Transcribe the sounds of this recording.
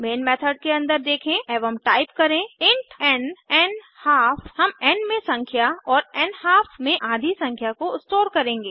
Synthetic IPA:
meːnmɛːt̪ʰəɖ̚keɐ̃nd̪əɾd̪eːkʰẽɛːʋəmʈaːɪpkɐɾẽɪ̃ɳʈɛ̃nɛːn | haːfhɐmɛnmẽsɐ̃ŋkʰjaɔːɾɛnhaːfmẽʔaːd̪ʱisɐ̃ŋkʰjakoɪsʈoːɾkɐɾẽːŋɡeː

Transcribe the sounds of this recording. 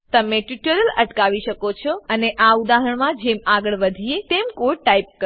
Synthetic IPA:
t̪əmeʈuʈəɾələʈkaʋiʃəkot͡ʃʰɔəneʔaud̪aɦəɳ̃mãd͡ʒemaɡəɭʋəd̪ʱiet̪emkoʈaip̚kə

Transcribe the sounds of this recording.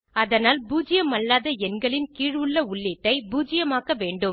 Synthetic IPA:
ɐðɐnaːlbuːd͡ʒɪjɐmɐɭːaːðɐɛnɡɐɭɪnkiːɻʋɯɭːɐʊɭːɪʈːɐɪbuːd͡ʒɪjɐmaːkɐʋeːɳɖɯm

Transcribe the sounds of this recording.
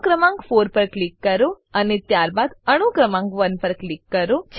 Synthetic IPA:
kɾəmãŋɡfoɾpəɾklikːəɾo | ənet̪jaɾbad̪əɽ̃ukɾəmãŋɡʋənpəɾklikːəɾot͡ʃʰ

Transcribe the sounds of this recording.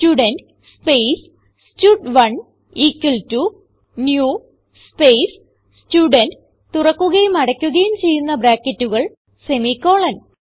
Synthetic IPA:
stuːɖɐnɖ | spejs | stuːɖʋɐɳ | iːkːɐltu | njuː | spejs | stuːɖɐnɖ | t̪urɐkːuɣɐjumɐɽɐkʲːuɣɐjumt͡ɕe̞jːunːɐbɾaːkːɐtːuɣɐɭ | semikːo̞ːɭɐn

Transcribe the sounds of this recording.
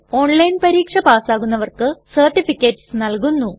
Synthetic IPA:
o̞ːɳlɐjnpɐɾiːkʂɐpaːsaːɣunːɐʋɐrkɨsɐrʈːifikʲːetːsnɐlkunːu

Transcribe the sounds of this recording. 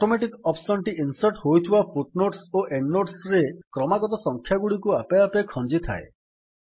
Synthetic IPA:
ɔʈomeʈikɔpsɔnʈiinsɔɾʈɦojt̪ʰibapʰuʈnoʈsoʔeɳɖːoʈsɾekɾɔmaɡɔt̪ɔsɔŋkʰjaɡuɽikuapeapekʰɔnd͡ʒit̪ʰa̰ḛ

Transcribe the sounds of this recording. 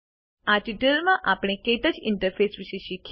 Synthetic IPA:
aʈiʈəlmãʔapɽ̃ekeʈəd͡ʒɪɳʈəɾfesʋiʃeʃikʰ

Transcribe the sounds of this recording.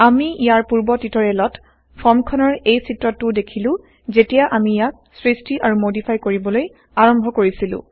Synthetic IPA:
amiijaɹpuɹbɔtitɔɹɛlɔt | pʰɔɹmkʰɔnɔɹejsitɹɔtːʊdekʰilʊ̃ | zetijaʔamijak̚sɹistiʔaɹumodipʰajkoɹibɔloj | aɹɔmbʱɔkoɹisilʊ̰̃

